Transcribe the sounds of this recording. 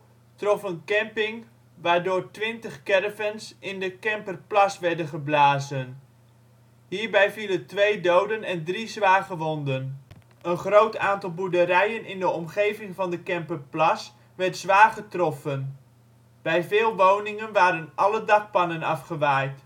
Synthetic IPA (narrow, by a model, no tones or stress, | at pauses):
trɔfənkɛmpɪŋ | ʋaːɹdʊːɹtʋɪntəχkɛrəvənsɪndəkɛmpərplɑsʋɛɹdənχəblaːzən | ɦiːɹbɛjviləntʋejdowdənɛndrizʋaːɹχəʋɔndən | ənχrowtaːntɑlˠbudərɛjənʔɪndəɔmχejvɪŋvɑndəkɛmpərplɑs | ʋɛɹtsʋaːrχətrɔfən | b̥ɛjvɪːlˠʋownɪŋənʋaːɾənʔɑlədɑk̚pɑnənɑfχəʋajt